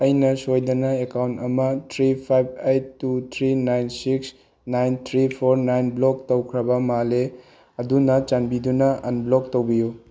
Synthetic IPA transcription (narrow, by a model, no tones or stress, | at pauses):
ɐjnɐsojdɐnɐekawntɐmɐtʰɾipʰajb̚ejtːutʰɾinajnsiks | najnt̪ʰɾipʰoɾnajnblok̚towkʰɾɐbɐmale | ɐdunɐt͡ʃanbidunɐʔɐ̰nblok̚towbiju